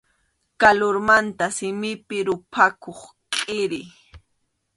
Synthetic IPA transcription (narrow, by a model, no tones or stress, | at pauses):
kaloɾmant̪asɪmɪpɪɾʊpʰakoχ | qʼɪɾɪ